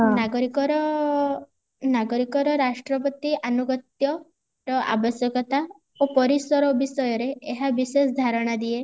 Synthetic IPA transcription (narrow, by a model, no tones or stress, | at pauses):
naɡɔɾikɔɾɔ | naɡɔɾikɔɾɔɾasʈɾɔp̬ɔt̪iʔanuɡɔt̪jɔ | ɾɔʔa̰bɔsjɔkɔt̪a | opɔɾisɔɾɔbisɔjɔɾeeɦabisesɔd̪ʱaɾɔɽ̃ad̪ie